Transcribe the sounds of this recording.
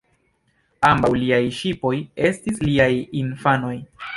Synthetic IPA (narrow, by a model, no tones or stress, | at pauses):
ambawliajʃipo̞je̞stisliajinfano̞j